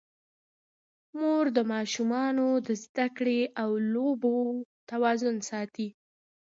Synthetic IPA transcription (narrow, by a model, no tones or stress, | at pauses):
moɾd̪əmɑʃumɑnod̪əzd̪akɽeʔawlobot̪awɑzʊnsɑt̪i